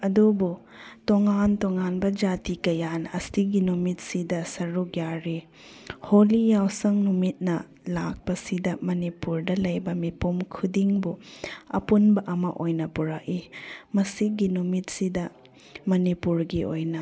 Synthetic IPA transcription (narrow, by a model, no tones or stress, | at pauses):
ɐdubu | toŋantoŋanbɐd͡ʒatikɐjanɐsiɡinumit̚sidɐsɐɾukjaɾi | holijawsɐŋnumit̚nɐ | lak̚pɐsidɐmɐnipuɾdɐlɐjbɐmipumkʰudiŋbuɐ̰punbɐʔɐmɐʔojnɐpuɾak̚imɐsiɡinumit̚sidɐ | mɐnipuɾɡiʔojnɐ